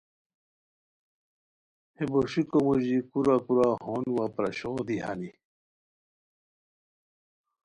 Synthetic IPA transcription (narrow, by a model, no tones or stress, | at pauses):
heboɕikomuʑikuɾakuɾahoːnwapɾɐɕoːd̪iɦa̰ni